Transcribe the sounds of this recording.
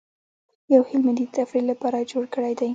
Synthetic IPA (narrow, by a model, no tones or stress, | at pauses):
jawhɪlmɪd̪it̪afɾillapɑɾad͡ʒoɽkəɽajd̪aj